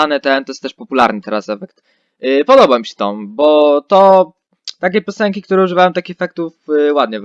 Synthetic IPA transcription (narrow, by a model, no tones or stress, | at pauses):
anɛt̪ɛnt̪ɔjɛst̪ɛʂpɔpulaɾnɘt̪ɛɾa̰sɛfɛkt̪ | pɔd̪ɔbamʲiɕɛ̥t̪ɔmbɔt̪ɔ | t̪akʲepʲjɔsɛŋkʲikt̪uɾɛuʐɨvajɔ̃t̪akʲixɛfɛk̚t̪ufwad̪̚ɲɛ